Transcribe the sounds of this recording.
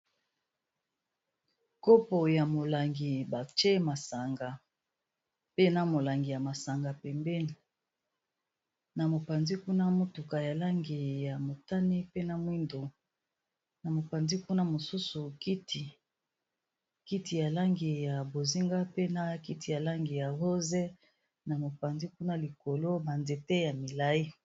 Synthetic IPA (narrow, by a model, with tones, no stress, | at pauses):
ko˦po˨ja˨mo˨la˨ŋɡi˨ba˨t͡ʃe˦ma˨sa˨ŋɡa˨ | pe˦na˦mo˨la˨ŋɡi˨ja˨ma˨sa˨ŋɡa˨pɛ˨mbɛ˦ni˨ | na˨mo˨pa˨nzi˦ku˦na˦mo˦tu˨ka˨ja˨la˦ŋɡi˨ja˨mo˨ta˦ni˦pe˦na˨mwi˦ndo˨ | na˨mo˨pa˨nzi˦ku˦na˦mo˨su˦su˨ki˦ti˨ | ki˦ti˨ja˨la˦ŋɡi˨ja˨bo˨zi˦ŋɡa˦pe˦na˦ki˦ti˨ja˨la˦ŋɡi˨ja˨ho˦ze˦ | na˨mo˨pa˨nzi˦ku˦na˦li˨ko˨lo˦ba˨nde˨te˦ja˨mi˨la˦i˦